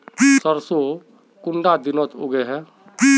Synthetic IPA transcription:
səɾso | kʊɳɖad̪ɪnot̪oɡeɦɛ̃ː

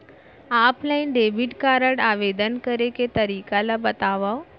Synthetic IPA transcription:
aplainɖeʋiʈkaɾəɽaʋed̪ənkəɾeket̪əɾikalabət̪aʋaw

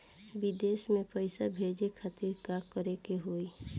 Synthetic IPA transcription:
bɪd̪eːsmẽpəɪsabʱeːd͡ʒekʰat̪ɪɾkakəɾekeɦoːi

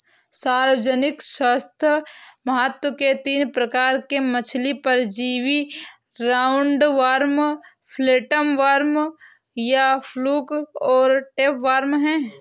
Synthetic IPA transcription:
saːɾʋəd͡ʒənɪkswaːst̪ʰjəmɐɦət̪wəket̪iːnpɾəkaːɾkemət͡ʃʰlipəɾd͡ʒiːʋiɾaːʊɳɖʋaːɾmpʰleːʈəmʋaːɾmjapʰluːkɔːɾʈeːpʋaːɾmɦɛ̃ː

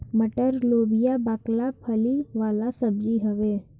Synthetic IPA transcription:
məʈəɾloːbijabaːklapʰəliʋaːlasəbd͡ʒiɦəʋeː

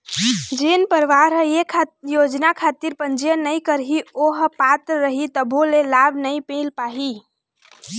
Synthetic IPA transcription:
d͡ʒenpəɾʋaɾɦjekʰajod͡ʒnakʰat̪iɾpənd͡ʒijənəjkəɾɦioɦpat̪ɾɾəɦit̪əbʱolelabʱnəipelpaɦi

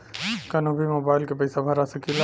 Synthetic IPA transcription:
kɐnobʱimoːbaːɪlkepɐjsabʱɐɾasɐkila

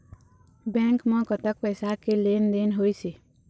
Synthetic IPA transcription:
bɛ̃ːŋkmə̃kət̪ək̚pəːsakeleːnd̪eːnɦoːisi

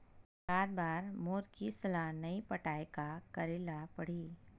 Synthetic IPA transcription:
saːɾbaːɾmoːɾkisɐlanɐĩpɐʈaːekakɐɾɪlapɐɽ̤iː

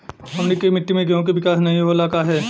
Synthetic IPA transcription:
ɦɐmnekɐimɪʈːimẽɡeɦõk̬eʋɪkaːsnɐɦĩɦolaːkaɦɛː

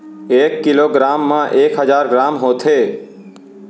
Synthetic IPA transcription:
eːkːɪloːɡɾaːmːãːʔeːkɦəd͡ʒaːɾɡɾaːmɦot̪ʰeː

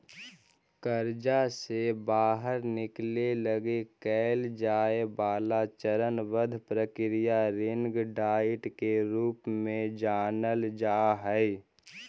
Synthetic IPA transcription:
kəɾd͡ʒasebaːɦəɾnɪkleləɡekɛld͡ʒaːebaːlat͡ʃəɾənʋəd̪ʱpɾəkɪɾijaɾɪ̃ŋɡɖaːɪʈkeɾuːpmẽd͡ʒaːnəld͡ʒaːɦɛɛ

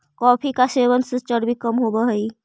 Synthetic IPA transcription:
kɔːpʰikaseːʋənsɪt͡ʃəɾbikəmɦobəɦəi

